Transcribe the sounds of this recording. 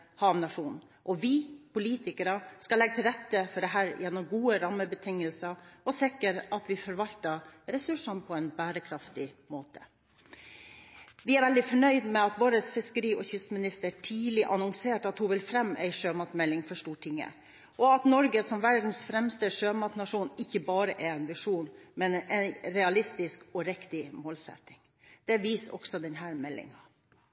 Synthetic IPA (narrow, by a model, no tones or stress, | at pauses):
hɑmnɑʂuːn | ʔɔʋɪpʊliːt̪ɪkəɾəskɑlɛɡət̪ʰɪlɾɛt̪ːəfɔɖɛɦæːɾjɛnːɔmɡuːəɾɑmːəbət̪ʰɪŋəlsəʔɔsɪkːəɾɑt̪ʋɪfɔɾʋɑlt̪əɾɛsʉʂɑnpʰɔɛɪnbæːɾəkʰɾɑft̪ɪmoːt̪ʰə̥ | ʋɪæɾʋɛld̪ɪfɔɳœʏd̪mɛɑt̪ʋoːɾəsfɪskəɾiːɔçʏsmɪnɪst̪əʈʰiːlɪʔɑnɔŋseːʈɑt̪hʊʋɪlfɾɛmːʔæ̰ɪʂøːmɑt̪mɛlːɪŋfɔʂʈuːʈʰɪŋːə̰ | ʔɔɑt̪nɔɾɡəsɔmʋæɾɖ̪n̩sfɾɛmst̪əʂøːmɑt̪nɑʂuːnɪçːəbɑːɾəʔɛɛɪnʋɪʂuːnmɛnɛnɾɛɑlɪst̪ɪskɔɾɛkt̪ɪmoːlsɛ̰t̪ːɪŋ | d̪̥ɛʋiːsɔ̰ksɔd̪ɛnɦæːɾmɛlːɪ̰ŋɑ